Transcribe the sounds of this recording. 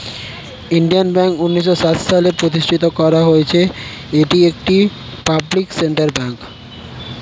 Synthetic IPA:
iɳɖijanbɛŋkunːiʃ̬ːosat̪ʃalepɾot̪̬iʃʈʰit̪okɔɾaɦojet͡ɕʰe | eʈiek̚ʈi | pablikseɳʈaɾbɛŋk

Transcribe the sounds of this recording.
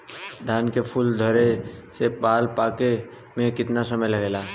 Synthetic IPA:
d̪ʱaːnkepʰuld̪ʱəɾesepaːlpaːke | mẽkɪt̪nasəməjləɡeːla

